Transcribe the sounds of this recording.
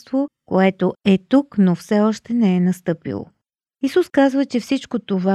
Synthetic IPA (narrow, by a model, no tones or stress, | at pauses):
t̪vokoɛt̪oɛt̪uknofsɛɔʃt̪ɛnɛɛnɐst̪ɤpḭlˠo̰ | isuskazvət͡ʃɛfsit͡ʃkot̪ova